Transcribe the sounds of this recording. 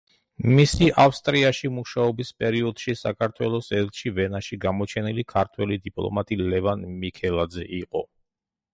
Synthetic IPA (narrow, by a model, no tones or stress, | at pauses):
misiʔafst̪ʼɾiaʃimuʃaɔbispʼɛɾiɔd̪̥ʃisakʰaɾt̪ʰwɛlˠɔsɛɾt̪ʰʃivɛnaʃiɡamɔt͡ʃʰɛnilikʰaɾt̪ʰwɛlid̪ipʼlˠɔ̰mat̪ʼilɛvanmikʰɛlˠad̪zɛʔiqʼɔ̰